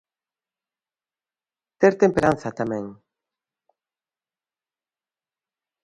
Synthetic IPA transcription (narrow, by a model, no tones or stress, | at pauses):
t̪eɾt̪empeɾãnθat̪amẽŋ